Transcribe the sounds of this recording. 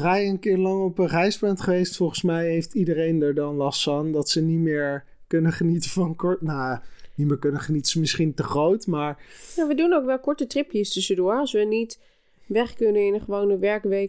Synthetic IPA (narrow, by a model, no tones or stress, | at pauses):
rajənkɪːɹlɑŋɔpərɛjsbɹantχəʋejstfɔlˠχən̩smɛjɦejftidərejndəɹdɑnlɑstfandɑtsənitmɪːɹ | kɵnəχənitəvɑnkɔɹtnaanitmɪːɹkɵnəχənitəzəmɪsχintəχrowtmaːɹjaːʋədunowkʋɛlˠkɔɹtətrɪpjəstʏsədʊːɹɑlˠsʋənit | ʋɛχkɵnəɪnχəʋownəʋɛɹkʋej